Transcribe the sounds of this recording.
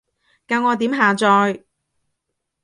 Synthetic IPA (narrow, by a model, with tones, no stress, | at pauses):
kaː˧wŋɔː˨˧t̪iː˨˥mɦaː˨t͡sɔː˧j